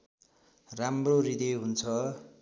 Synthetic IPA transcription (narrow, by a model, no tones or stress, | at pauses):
ramrorid̪iɦunt͡sʰʌ